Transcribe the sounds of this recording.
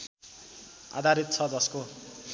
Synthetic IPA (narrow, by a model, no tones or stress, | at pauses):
a̰d̪ʱaɾit̪̚t͡sʰʌd͡zʌsko